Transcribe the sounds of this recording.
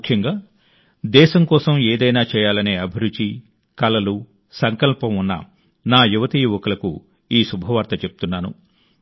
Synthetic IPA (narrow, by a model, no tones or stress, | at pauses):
kʰjɐŋɡaː | d̪ɛːʃɐmkɔːsɐmɛːd̪ɐjnaːt͡ʃɛːjaːlɐneːɐbʱiɾut͡ʃi | kɐlɐlu | sɐŋkɐlpɐmunːɐ̰ | naːjuʋɐt̪iːʋɔkɐlɐkṵ | iːsubʱɐʋaːɾt̪ɐt͡ʃe̞pu̥t̪unːaːnṵ